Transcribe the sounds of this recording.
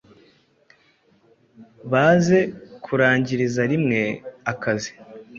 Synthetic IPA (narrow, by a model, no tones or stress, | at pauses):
βaːze̞kʰuɾaːɲɟiɾizaɾimŋe̞akazi̥